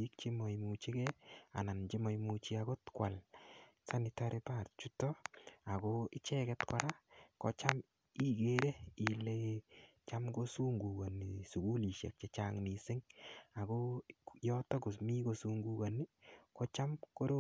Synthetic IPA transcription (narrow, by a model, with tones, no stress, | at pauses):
i˦k̚t͡ʃe˦mɔ˨jmut͡ʃi˦kɛa̰˨na˨nt͡ʃi˦mɔjmut͡ʃi˦aɡo˦tkwa˨lsa˦ni˧taɾipa˨ɾtt͡ʃu˦tɔa˨ɡoɪ˦t͡ʃɛkɛtkɔɾa˦kɔt͡ʃam | i˦ɡe˦ɾe˦ilet͡ʃamɡo˦su˦ŋɡu˨ɡa˨nisu˨ɡu˦li˨ʃɛ̰˨k̚t͡ʃɛ˨t͡ʃaŋni˨sɪ˦ŋa˨ɡojɔto˦kʊ˨smi˦ko˧suŋɡu˦ɡa˨ni˦kɔ˦t͡ʃa˦mko˦ɾo˦